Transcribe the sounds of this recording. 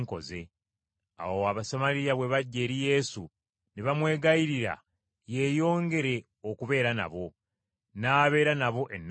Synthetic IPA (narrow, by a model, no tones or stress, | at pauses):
ŋko̞̰ze̞ | a̰wowaβasamaɾijaβwe̞βaɟːe̞ːɾije̞ːsu | neβamwe̞ːɡaiɾiɾa̰ | je̞ːjo̞ːŋɡe̞ɾe̞ | o̞kuβe̞ːɾana̰βo̞ | naːβe̞ːɾanaβo̞ʔenː